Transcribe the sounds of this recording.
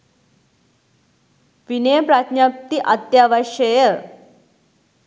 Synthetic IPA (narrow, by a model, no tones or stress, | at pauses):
ʋinejpɾat̪ɲap̚t̪iʔɐt̪jaʋaɕəjə